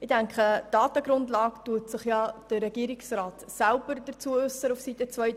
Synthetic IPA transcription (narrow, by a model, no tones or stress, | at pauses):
ɪdæŋkχəd̥ɑːtəɡɾʊndlɑːktuːtsɪχjɑd̥əɾɛɡ̥iːɾɪksraːtsælb̥əɾdət͡suəʏsəufsit̪ət͡svœj